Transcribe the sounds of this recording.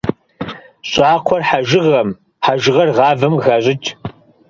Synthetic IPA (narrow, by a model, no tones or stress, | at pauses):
ɕʼɑːqʷʰɔrħaʒɪʁɐm | ħaʒɪʁɐrʁɑːvɨmɣaːɕʼɪt͡ʃʼ